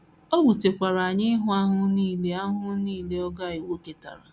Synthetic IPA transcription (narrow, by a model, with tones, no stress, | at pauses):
o˦wu˨te˨kʷa˨ɾa˨a˨ɲɪ˦ɦʊ˦a˦ɦʊ˦niː˦˨le˦a˦ɦʊ˦niː˦˨le˦ɔ˦ɡa˦˨ɪ˨wo˦ke˨ta̰˨ɾa˨